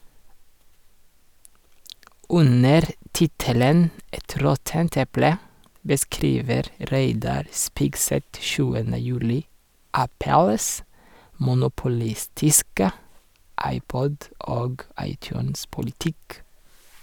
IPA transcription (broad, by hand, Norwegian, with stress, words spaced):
ˈʉnəɾ ˈtɪtələn ˈɛt ˈɾɔtənt ˈɛplə bəˈskɾiːʋəɾ ˈɾeɪdɑɾ ˈspɪɡˌsɛt ˈʃʉːənə ˈjʉːlɪ ˈʔæpəls mʊnʊpʊˈlɪstɪskə ˈʔɑɪˌpɔd ˈoːɡ ˈɑɪˌtjʉːnspʊlɪˌtɪk